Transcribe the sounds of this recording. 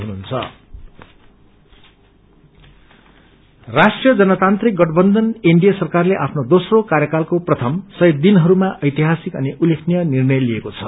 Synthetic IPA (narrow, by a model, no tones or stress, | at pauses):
ɦunuɦunt͡sʰʌ̰ | rasʈrijʌd͡zʌnʌt̪ant̪rik̚ɡʌʈʌbʌnd̪ʱʌniɳɖijʌsʌrkarleʔapʰnod̪osrokaɾjʌkalkoprʌt̪ʰʌmsʌj̚d̪inɦʌɾumaʔʌjt̪iɦasikʌ̰niʔulekʰnijʌnirnʌjliekot͡sʰʌ